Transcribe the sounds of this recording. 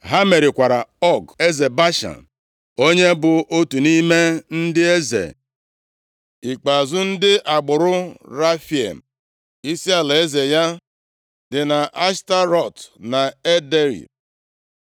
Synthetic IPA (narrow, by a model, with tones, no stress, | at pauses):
ɦa˦me˨ɾɪ˨kʷa˨ɾa˨ɔ˦ɡe˦ze˨ba˦ʃa̰˨n | o˦ɲe˦bʊ˨ʔo˦tu˨ni˦me˦n̩˦dɪ˦e˦zḛ˨ | i˨k͡pa˨zʊ˦n̩˦dɪ˦ʔa˨ɡ͡bʊ˨ɾʊ˦ɾa˦fi˨ḛ˨m̩˨ | i˦si˦a˨la˨e˦ze˨ja˦ | dɪ˨na˨ʔa˦ʃta˦ɾɔ˨tna˨e˦de˦ɾḭ˨